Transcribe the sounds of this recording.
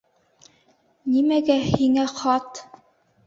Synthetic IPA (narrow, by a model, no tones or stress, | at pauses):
nimæɡæhiŋæχɑt̪